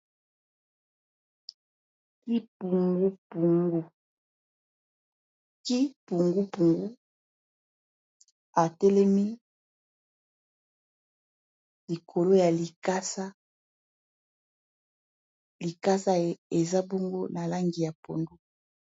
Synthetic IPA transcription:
ki˦pu˨ŋɡu˦pu˨ŋɡu˦ | ki˦pu˨ŋɡu˦pu˨ŋɡu˦ | a˨tɛ˦lɛ˦mi˦ | li˨kʰo˨lo˦ja˨li˨ka˦sa˦ | li˨ka˦sa˦e˨za˦bo˦ŋɡo˦na˨la˦ŋɡi˨ja˨po˨ndu˦

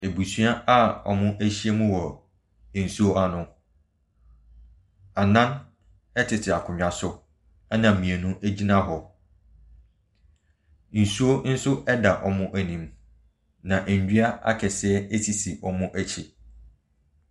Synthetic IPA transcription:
e˨bu˨sɥa˦a˦ɔ̰˨mʊ̃˦ʔæ˦ɕi˦e˦mũ˦wɔ˨ | n̩˨su˦o˦ʔa˦nʊ̃˦ | a˨nã˦n | ɛ˦tʰɪ˨tʰɪ˨a˨kʰʊ̃˨ɲᶣ˨ã˨sʊ˦ | a˦nã˨m̩˨mĩ˨e˨nũ˦ʔæ˦d͡ʑi˦nã˦ɦɔ˨ | n̩˨su˦o˦n̩˦sʊ˦ɛ˦da˨ʔɔ˨mʊ̃˦ʔæ˦nĩ˨m | nã˨ʔɲ˨d͡ʑᶣi˦a˦a̰˦kʰɛ˨sɛ˦e˦sʰi˨si˨ɔ˨mʊ̃˦ʔæ˦t͡ɕʰɪ˨

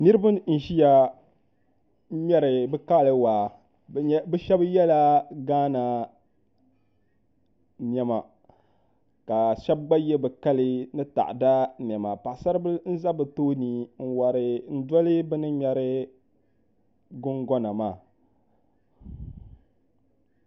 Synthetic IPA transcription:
nɨ˦ɾɨ˦ba˦n̩˨ʒi˦ja˨˦ | mɛ˦ɾɨ˨bɨ˦ka˦˨lɨ˦wa˨˦ | bɛ˦ʃɛ˦bjɛ˦la˦ɡaː˦na˨ | n˨ɛ˨ma̰˨ | ka˨ʃɛ˦b̚ɡ͡ba˦jɛ˦bɨ˨ka˦lɨ˦nɨ˦ta̰˨ʔda˦n˨ɛ˨ma˨pa˨ʔsa˦ɾbɨ˦n̩˦za˦bɨ˨toː˦ni˨n̩˨wa˨ɾɪ˨n̩˦dɔ˦lɨ˦bɨ˦nɨ˦mʲɛ˦ɾɪ˦ | ɡʊ˦ŋɡɔ˦na˨maː˦˨

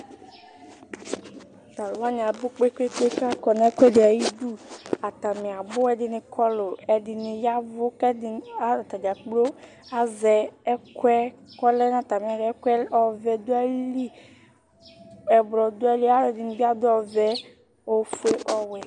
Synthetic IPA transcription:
t̪a˨lwa˦nĩ˨a˨bʊ˦k͡pe˦ke˦k͡pe˦ka˦kɔ˨n˦kʷɛ˦dɪ˨a˨ji˦du˦a˨t̪a˨mɪ̃˨a˨bʊ˦ɛ˦˨dɪ˨nɪ̃˨kʰɔ˦lʊ˨ɛ˨dɪ˨nɪ̃˨ja˦vʊ˦kɛ˦dɪ˨a˦˨t̪a˨d͡ʒa˨k͡plo˦ | a˦zɛ˨ɛ˦kɛ˦kɔ˦lɛ˦na˨t̪a˨mĩ˨a˨dɪ˨ɛ˦kɛ˦ɔ˨vɛ˨d̪o˦ɛ˦li˦ | ɛ˨blɔ˨d̪ʊ˦ɛ˦li˦a˦˨dɪ˨nɪ̃˨bi˦a˦d̪ʊ˦ɔ˨vɛ˦ | o˨fu˦e˦ʔɔ˦wɛ˨

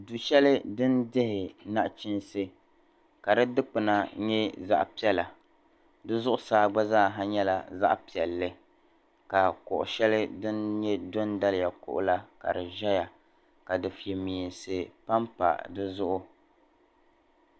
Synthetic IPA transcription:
du˨ʃɛ˦lɪ˦dɨ˦ndɪ˦hɪ˨na˦ʔt͡ʃɪ˦nsɨ˦ | ka˨dɨ˦dɨ˦k͡pɨ˨na˨ɲɛ˦za̰˦ʔpi˦ɛ˦la˨ | dɨ˦zʊ˦ʔʊ˦saː˦ɡ͡ba˦zaː˦˨ɦa˦ɲɛ˦la˨za̰˦ʔpi˨ɛ˨lːɨ˦ | ka˨kʊ̰˨ʔʊ̰˨ʃɛ˦lɨ˦dɨ˦nɲɛ˦do˦nda˦lɪ˨ja˨kʊ̰˦ʔʊ̰˦la˦ka̰˨ɾɨ˨ʒɛ˦ja˨ | ka˨dɨ˨fi˨ɛ˨mi˨nsɨ˨pa˦mpa̰˨dɨ˦zʊ˦ʔʊ˦

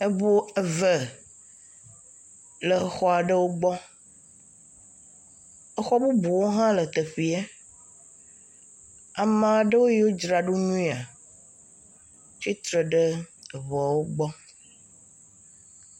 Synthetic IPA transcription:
e˦bo˦ə˨və˨ | lə˨xɔ˨˦a˨ɖə˦wo˦ɡ͡bɔ˦ | ə˦xɔ˦bu˦bu˨wo˦ɦã˦lə˨t̪ə˨ɸi˨ɛ˦ | a˨mã˨ɖə˦wo˦ji˦wo˦d͡ʒɾa˨ɖu˦ɲũ˦i˦a˨ | t͡ʃi˦t̪ɾə˨ɖə˦˨βɔ˨wo˦ɡ͡bɔ˦

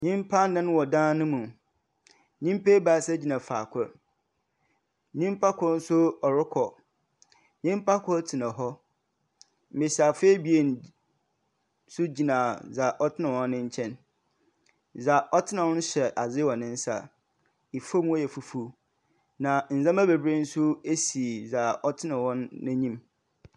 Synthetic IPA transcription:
ɲĩ˦m˦pʰa˦n˦nã˦nʊ̃˦wɔ˨dãː˦nʊ̃˦mũ˨ | ɲĩ˦m˦pe˦baː˨sa˦d͡ʑi˨nã˨faː˨kʷʰʊ˦ | ɲĩ˦m˦pʰa˦kʰʊ˦n̩˦sʊ˦ɔ˨ɾɪ˦kʰɔ˨ | ɲĩ˦m˦pʰa˦kʰɔ˦tʰi˨nã˨ɦɔ˦ | mɪ̃˨ɕa˨fe˦bi˨e˨n˨ | sʊ˦d͡ʑi˨nãː˨za˨ʔɔ˦tʰɪ˦nã˨wɔ̃˦nːɪ̃˦ɲ˦t͡ɕʰɛ̃˦n | za˨ʔɔ˦tʰɪ˦nã˨wɔ̃˦n̩ʊ̃˦ɕɛ˨ʔa˨zɪ˦wɔ̃˨nɪ̃˦n̩˦sa̰˨ | i˨fo˦m˦ɔ˦jɛ˨fu˨fu˦ | nã˨n̩˨zã˦mæ˦be˨bɾĩ˦n̩˦sʊ˦e˦si˨za˨ɔ˦tʰɪ˦nã˨wɔ̃˦nːɪ̃˦ɲĩ˦m

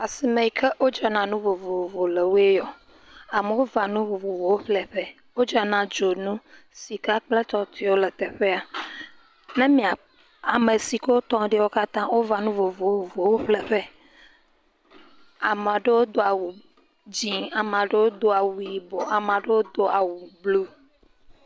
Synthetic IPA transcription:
a˨si˨mẽ˨i˨kʰɛ˦wo˦d͡ʒɔ˨nã˨nũ˦vo˨vo˨o˨vo˨le˨wu˦e˦jɔ˨ | a˨me˨wo˦va˨nũ˦vo˨vo˨vo˨wo˦ɸlɛ˨ɸɛ˦ | wo˦d͡ʒa˨nã˨d͡ʒo˨nũ˦ | si˨ka˦k͡plɛ˦t̪ɔ˦t̪ʰi˦wo˦lɛ˨t̪ɛ˨ɸe˦a˨ | nɛ̃˦mĩ˨a˨ | a˨me˨si˨ke˦wo˦t̪ɔ̃˦ɖi˦wo˦ka˦t̪ã˦wo˦va˨nũ˦vo˨vo˨vo˨vo˨wo˦ɸlɛ˦ɸɛ˦ | a˨mã˨ɖe˦wo˦d̪o˨a˨wu˨ | d͡ʒĩ˨a˨m̃˨ã˨ɖe˦wo˦d̪o˦a˨wu˨i˨bo˨a˨m˨ã˨ɖe˦wo˦d̪o˦a˨wu˨blu˦

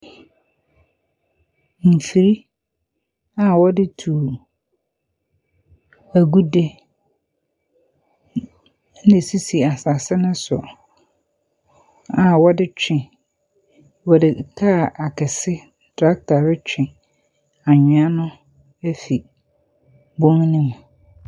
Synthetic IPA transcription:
m̩˨fi˨ɾi˦ | a˨wɔ˦dɪ˦tʰuː˨ | æ˨ɡu˦de˦ | nɪ̃˨si˦si˨a˨sa˨sɪ˦nʊ̃˦sʊ̰˨ | a˨wɔ˦dɪ˦t͡ɕᶣʰɪ̃˨ | wɔ˨dɪ˨kʰa˦˨ʔa˨kʰɛ˨sɪ˦ | dɾa˦k̚tʰa˨ɾɪ˦t͡ɕʰᶣɪ̃˨ | a˨ɲᶣɪ̃˨a˦nʊ̃˦ | ɛ˦fi˨ | bõ˦ŋnĩ˦m̃˨

